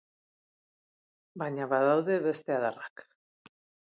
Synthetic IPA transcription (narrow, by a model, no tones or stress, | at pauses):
baɲaβaðawðe̞βe̞st̪e̞aðarak